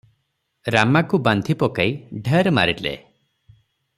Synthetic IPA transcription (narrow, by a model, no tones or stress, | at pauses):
ɾamakuband̪ʱipɔkaiɖʱeɾma̰ɾilḛ